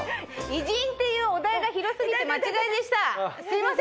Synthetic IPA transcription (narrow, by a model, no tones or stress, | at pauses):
iʑiĩnt̪e̞jɯ̟ːo̞d̪aeɡaçiɾo̞sɨɡʲit̪e̞mat͡ɕiɡaid̪e̞ɕi̥t̪asʲimas